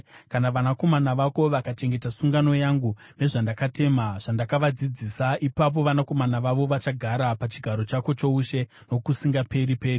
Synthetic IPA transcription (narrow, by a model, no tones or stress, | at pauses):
kanaʋanako̞manaʋako̞ʋakat͡ʃe̞ŋɡe̞tasuŋɡano̞jaŋɡu | ne̞ʐandakate̞maʐ̥andakaʋad͡zid͡ziːsaʔipap̬o̞ʋanako̞manaʋaʋo̞ʋat͡ʃaɡʱaɾapat͡ʃiɡʱaɾo̞t͡ʃako̞t͡ʃo̞uʃe̞ | no̞kusiŋɡape̞ɾipeːri